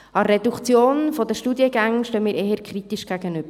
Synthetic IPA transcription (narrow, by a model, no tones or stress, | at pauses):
ɑrːedukt͡sjoːnfɔd̪əʃtudjəɡæŋʃtøːmiːɾʔeːhəɾkʰχrit̪iʃɡ̥æɡənʏb̥əɾ